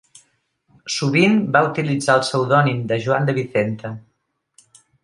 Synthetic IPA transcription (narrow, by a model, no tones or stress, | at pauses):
suβimbaut̪ilid͡zaəlˠsəwðɔnimd̪əʒuand̪əβiθent̪ə